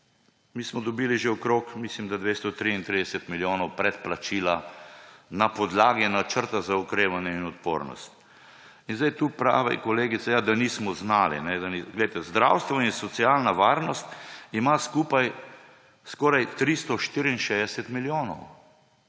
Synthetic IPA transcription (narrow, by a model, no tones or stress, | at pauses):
miːsmɔd̪ɔbiːliʒeɔkɾokmislimd̪ad̪ʋest̪ɔt̪ɾiint̪ɾid̪ɛsɛt̪miljoːnɔwpɾɛt̪plat͡ʃiːla | napɔd̪laːɡinat͡ʃəɾt̪azaukɾeːʋanjɛinɔt̪po̰ɾnɔ̰st̪ | inzajt̪uːpɾa̰ːʋɛ̰kɔleːɡit̪sɛjad̪anismɔznaːlḭnɛd̪aniɡlɛjt̪ɛzd̪ɾa̰wst̪ʋainsɔt̪sialnaʋaːɾnɔst̪imaskuːpaj | skɔɾajt̪ɾist̪ɔʃt̪iɾiinʃed̪ɛsɛt̪miljonɔw